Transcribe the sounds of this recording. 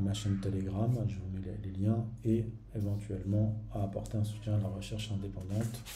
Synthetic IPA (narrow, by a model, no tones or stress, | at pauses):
maʃɛnət̪eleɡʁamaʒuʁneleleljɛ̃e | evɑ̃t̪ɥɛlmɑ̃aːpɔʁt̪eɛ̃su̥t̪jɛ̃alaʁəʃɛʁʃɛ̃d̪epɑ̃d̪ɑ̃t̪